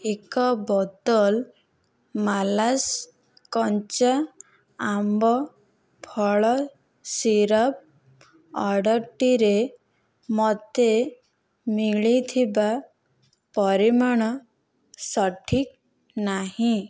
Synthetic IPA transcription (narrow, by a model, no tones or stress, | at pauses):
ekɔbɔd̪ɔl | malas | kɔnt͡ʃa | ambɔ | pʰɔɭɔ | siɾɔp̚ | ɔɽɔɾʈiɾe | mɔt̪e | miɭit̪ʰiba | pɔɾimɔɽ̃ɔ | sɔʈʰik̚ | naɦĩ